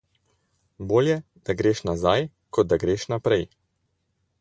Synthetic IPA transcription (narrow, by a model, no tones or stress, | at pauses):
boːljɛ | d̪̥aɡɾeːʃnazaj | kʰɔd̪̚d̪aɡɾeːʃnapɾɛj